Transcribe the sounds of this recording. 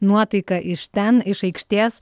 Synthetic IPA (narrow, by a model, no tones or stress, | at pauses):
nuɔt̪ɐɪkɐʔɪʃt̪ʲɛnɪʃɐɪkʃʲt̪ʲeːs